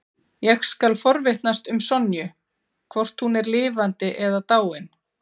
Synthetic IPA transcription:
jɛxskalfɔɾvɪht̪nast̪ʏmsɔnjʏ | kʰvɔr̥t̪hunɛɾlɪːvant̪ɪʔɛðat̪aːwɪn

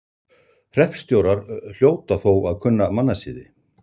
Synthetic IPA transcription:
hr̥ɛhpst̪jowɾaɾ̥l̥joːwt̪aθowaðkʰʏnːamanːasiːðɪ

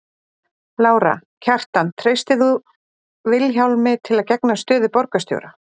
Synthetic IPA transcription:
laːwɾa̰cʰar̥t̪ant̪ʰɾejst̪ɪθu | vɪlçawlmɪt̪ʰɪlaðcɛknast̪ʏːðɪpɔɾkast̪jo̰wɾa

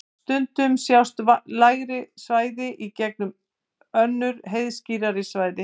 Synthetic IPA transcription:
st̪ʏnt̪ʏmsjawst̪vlaːjɣɾɪsvaːjðɪʔicɛk̚nʏm | œnːʏɾɦejðsciːɾaɾɪsvaːjðɪ

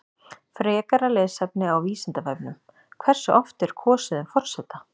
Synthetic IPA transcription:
fɾɛːkaɾalɛðsɛp̚nɪawviːsɪnt̪avɛjpnʏm | kʰvɛr̥sʏʔɔft̪ɛɾ̥kʰɔːsɪðʏmfɔr̥sɛt̪ːa

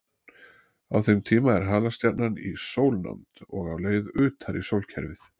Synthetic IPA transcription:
awθejmt̪ʰiːmaɛɾ̥ɦaːlast̪jat̪̚nanḭsoːwlna̰mt̪ɔɣavleːjðʏːt̪aɾisowlcʰɛɾvɪθ

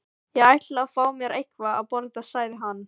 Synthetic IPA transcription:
jɛɣajht̪lafaːwmjɛɾejhkvaa̰ðpɔɾðasaːjðɪɦanː

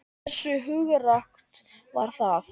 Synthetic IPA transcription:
sːʏɦʏːɣʏrakt̪va̰ɾ̥θaθ

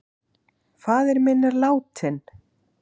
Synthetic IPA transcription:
faːðɪɾmɪnːɪɾlaːwt̪ʰɪn

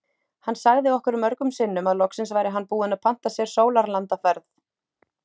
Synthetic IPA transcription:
hanːsaɣðɪɔhkʏɾʏmœɾkʏmsɪnːʏmaðlɔksɪnsvaːjɾɪɦanːpuːɪnaðpʰan̥t̪asjɛɾ̥soːwlaɾlant̪afɛɾθ

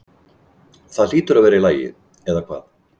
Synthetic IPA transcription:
θaðliːt̪ʏɾavɛːɾɪlaːjɪ̰ð | ɛðakʰv̥a̰ːð

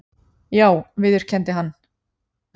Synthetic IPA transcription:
jaːwvɪðʏɾ̥cʰɛnt̪ɪɦanː

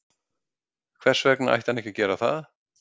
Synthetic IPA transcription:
kʰvɛr̥svɛkna̰jht̪anɛhçcɪcɛːɾaθa̰ð

